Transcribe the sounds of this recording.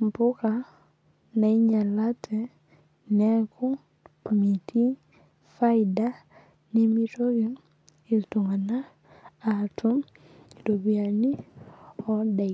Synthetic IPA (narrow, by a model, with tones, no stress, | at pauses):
m˨pʊ˦ka˨ | na˨i˦ɲa˨la˦tʰɛ˨ | nɛ˦kʊ˦ | mi˨tʰi˦ | fa˦ɪ˨da˦ | ne˦mi˦to˦ɡɪ˦ | i˨tu˨ŋa˨naː˦˨ | tʰʊ˦˨ | do˨bi˨a˨ni˦ | ɔ˦da˨